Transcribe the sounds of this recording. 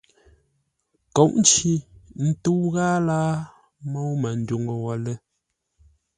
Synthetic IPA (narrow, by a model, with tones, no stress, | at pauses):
kɔ˨˦ʔn̩˦t͡ʃi˦n̩˦tu˦wɣaː˦laː˦ | mɔ˦wmə˨n̩˨˦du˨ŋə˨wɔ˨lə˦